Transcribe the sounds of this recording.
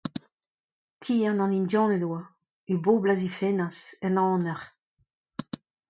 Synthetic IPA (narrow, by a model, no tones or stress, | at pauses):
t̪ʰiːãnɑ̃nindjɑ̃ːnɛlwa | yboːblazifenasɛnɑ̃ːnɛʁ